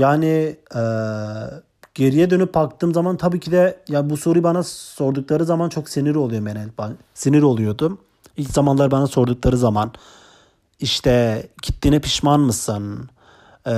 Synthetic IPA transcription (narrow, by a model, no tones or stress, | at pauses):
jaːniɛː | ɟ̥e̞ɾijɛd̪ø̞nyp̚bakt̪ʰɯːmzamant̪ʰabiːcʰid̪ɛjaːnbuso̞ɾujbanaso̞ɾd̪uklˠaɾɯzamant͡ʃʰo̞ksiniɾo̞lˠujomenɛlʲba | siniɾo̞lˠujo̞d̪ʊ | ilʲczamanlˠaɾbanaso̞ɾd̪uklˠaɾɯzaman | iʃt̪ʰɛɟʰi̥t̪ːinɛpʰi̥ʃmanmɯsɯn